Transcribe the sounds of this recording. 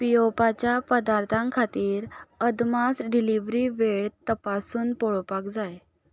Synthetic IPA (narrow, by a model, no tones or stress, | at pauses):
pijopat͡ɕjapəd̪aɾt̪ʰãŋkʰat̪iːɾəd̪masɖiliʋɾiʋeɭt̪əpasuːnpɔɭpakd͡zaj